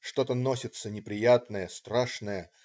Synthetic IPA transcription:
ʂt̪o̞t̪əno̞sʲɪt̪sənʲɪpɾʲɪjat̪nəjəst̪ɾaʂnəjə

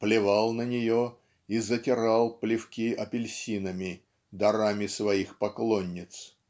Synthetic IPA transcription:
plʲɪvɑlˠnənʲɪjo | izətʲɪɾɑlˠplʲɪfkʲiʔɐpʲɪlʲsʲinəmʲɪ | d̪ɐɾamʲɪsvɐixpɐklˠonʲːɪt̪s

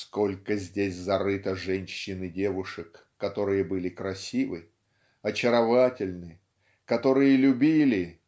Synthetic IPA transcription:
sko̞lʲkəzʲdʲesʲzɐɾɨt̪əʐɛnʲɕːɪnɨdʲevʊʂɨkː | ɐt̪o̞ɾɨjəbɨlʲɪkɾɐsʲivɨ | ɐt͡ɕɪɾɐvatʲɪlʲnɨ | kɐt̪o̞ɾɨjəlʲʊbʲilʲɪ

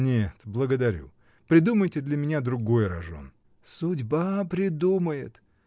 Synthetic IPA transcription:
nʲet̪blˠəɡəd̪ɐɾʲṵ | pɾʲɪd̪uməjtʲɪd̪lʲəmʲɪnʲad̪ɾʊɡo̞jɾɐ̰ʐo̞̰n | sʊdʲbapɾʲɪd̪uməjɪ̰t̪

